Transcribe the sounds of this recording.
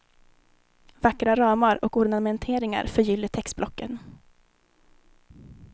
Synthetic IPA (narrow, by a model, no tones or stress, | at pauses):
vakɾaɾɑːmaɾɔkʊɖɳamɛnt̪ʰeːɾɪŋa̰ɾfœɾjʏlːəʈʰɛkst̪blɔkːən